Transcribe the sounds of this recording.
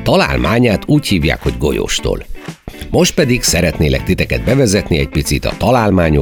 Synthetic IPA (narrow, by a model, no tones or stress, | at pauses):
t̪ɒla̰ːlmʔaːɲaːt̪uːchiːvja̰ːkho̞ɟɡo̞̰jo̰ːʃt̪o̰ːlmo̞ʃt̪̚pɛd̪iɡsɛɾɛt̪neːlɛ̰k̚t̪it̪ɛkɛd̪̚bɛvɛzɛt̪niɛc̚pit̪sit̪ɒ̰t̪ɒlaːlmaːɲo